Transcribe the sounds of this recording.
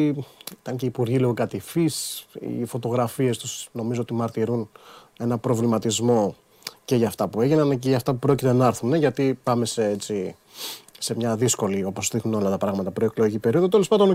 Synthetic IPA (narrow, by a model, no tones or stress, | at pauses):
it̪ɐŋce̞ipuɾʝiloɣokɐt̪ifisḭfo̞t̪o̞ɣɾɐfie̞st̪usno̞mizoot̪imɐɾt̪iɾun | e̞nɐpɾovlimɐt̪izmo̞ | ce̞ʝɐft̪ɐpue̞ʝinɐnceʝɐft̪ɐpupɾo̞cit̪e̞nɐeɾθuneʝɐt̪ipɐme̞seet͡si | se̞mɲɐðisko̞lio̞po̞sðixnuno̞lɐt̪ɐpɾɐɣmɐt̪ɐpɾoeklo̞ʝicipe̞ɾio̞ðot̪elespɐnd̪o̞n